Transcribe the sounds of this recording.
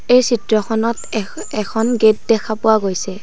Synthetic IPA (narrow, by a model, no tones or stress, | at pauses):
ejsitɹɔxʰɔnɔt | ɛkʰɔnɡet̚dɛkʰapʊwaɡojsɛ